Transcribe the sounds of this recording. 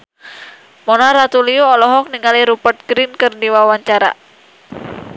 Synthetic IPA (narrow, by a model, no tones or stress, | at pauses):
mɔnaɾat̪uliuɔlɔɦɔk̚niŋaliɾupərt̪̚ɡɾinkɨrdiwawaɲt͡ʃaɾa̰